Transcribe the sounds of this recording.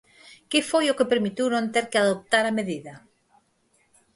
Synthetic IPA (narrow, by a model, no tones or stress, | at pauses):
kefojokepeɾmit̪iwnõnt̪eɾkɪaðop̚t̪aɾameðiðɐ